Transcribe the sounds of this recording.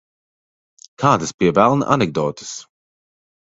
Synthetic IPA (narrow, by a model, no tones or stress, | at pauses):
kʰaːd̪ɐspiɛvælˠnʔa̰nɛɡ̚d̪ɔːt̪ɨ̥s